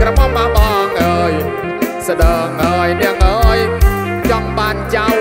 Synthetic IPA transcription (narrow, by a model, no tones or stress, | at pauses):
krəmamaɓɑːŋʔəːj | səɗəːŋʔəːjnɛ̆əŋʔəːj | t͡ɕɑŋɓaːnt͡ɕaw